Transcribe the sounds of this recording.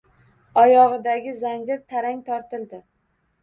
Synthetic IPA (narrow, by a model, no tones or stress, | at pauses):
ɒjɒʁɨd̪aɡʲɪzand͡ʒɪɾt̪ʰaɾaŋt̪ʰɒɾt̪ɪlˠd̪ɪ